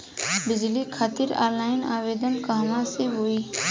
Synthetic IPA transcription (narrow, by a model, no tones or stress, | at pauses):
bɪd͡ʒlikʰaːt̪ɪɾa̰ːɾlaːɪnaːʋeːd̪ənkaɦmãseɦoːiː